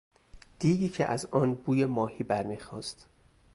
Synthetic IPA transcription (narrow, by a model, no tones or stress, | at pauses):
d̪̥iːɡiːcʰḛʔæzɒːnbuːjemɒːhiːbæɾmixɒːst̪